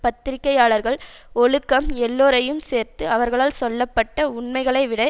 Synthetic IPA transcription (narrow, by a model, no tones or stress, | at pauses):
pɐt̪ːɪɾɪkːɐjaːɭɐɾɣɐɭɔɻɯkːɐmɛlːoːɾɐjɯmseːɾt̪ɯɐʋɐɾɣɐɭaːlsɔlːɐpːɐʈːɐʊɳmɐɪɣɐɭɐɪʋɪɽɐ